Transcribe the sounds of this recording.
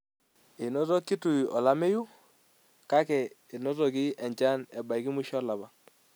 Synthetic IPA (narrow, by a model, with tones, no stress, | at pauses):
ɪ˨nɔ˦tɔ˦kːi˦tu˨i˨ɔ̰˨la˦me˦ju˦ | ka˦kɛ˨ | ɪ˨nɔ˦tɔ˨ki˦ɛ˨ɲt͡ʃa˦nɛ˨ba˨i˨ki˦mu˦ʃɔ˦la˨ba˨